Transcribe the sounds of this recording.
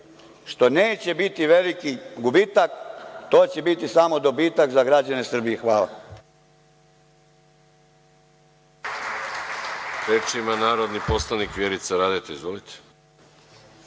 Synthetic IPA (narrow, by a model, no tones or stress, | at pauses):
ʃt̪o̞neːt͡ɕe̞bit̪iʋelikiɡubiːt̪akt̪o̞ːt͡ɕe̞bit̪isamo̞d̪o̞biːt̪akzaɡɾad͡ʑane̞sr̩bijexʋaːla̰ | ɾet͡ʃimanaːɾod̪niposlanikʋjeɾit̪saɾaːd̪et̪eizvʋolit̪ʰe̥